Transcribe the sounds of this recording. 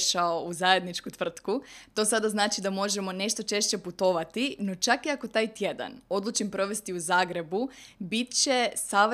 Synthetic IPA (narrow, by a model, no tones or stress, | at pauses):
ʃaouzaje̞d̪nit͡ʃkut̪ʋr̩t̪kut̪o̞sad̪aznaːt͡ʃid̪amo̞ʒe̞mo̞ne̞ʃt̪o̞t͡ʃe̞ʃt͡ɕe̞put̪o̞ʋat̪ino̞t͡ʃakiako̞t̪aːjt̪je̞d̪a̰no̞d̪lˠut͡ʃimpɾo̞ʋe̞st̪iuzaːɡɾe̞bubit̪t͡ɕe̞saʋ